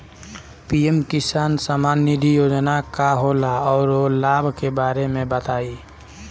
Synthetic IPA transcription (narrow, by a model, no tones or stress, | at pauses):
piːemkɪsaːnsamaːnid̪ʱijoːd͡ʒnakaɦoːlaɔːɾolaːbʱkebaːɾemẽbət̪aːi